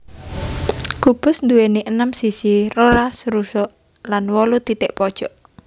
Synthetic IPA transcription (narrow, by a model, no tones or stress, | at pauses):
kub̥ʊ̤snd̪uweniʔənəmsisiroɾasɾusɔ | lanwɔlud̪it̪eʔpɔd̥ʒ̥ɔʔ